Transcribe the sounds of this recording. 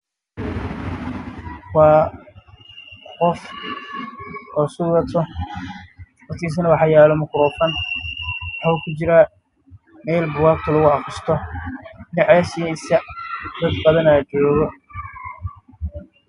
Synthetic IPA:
wɑː | qɔf | ɔːsʊɣɐt̪ʰɔ | mɐt̪kʰiːs̬ɐnɐwɑħɑjaːlɔmɐkʰɾuːfɐn | wɑħukʰʊt͡ʃɪɾa | mɛːlbʊwɑːk̚t̪ʰɐlɐɣʊɑfʊst̪ʰɔ | ɪnɛʕɑlɐsijɛɪsɐd̪ɐd̪bɐðɐnat͡ʃɔːɣɔ

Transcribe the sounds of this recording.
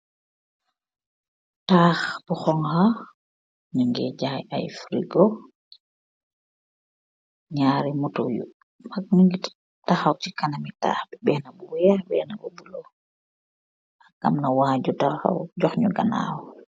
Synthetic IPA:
taːxbuxɔŋha | ɲuŋɡɛɟaja̰jfɾiɡo | ɲaːɾimutojṵ | mak̚nuŋɡit | ttaxawtikanamita̰ːxbɛbɛnabuwabɛ̰ːnabubulɔ | makɡamnawaːɟutaxa̰wɟɔxɲuɡana̰w

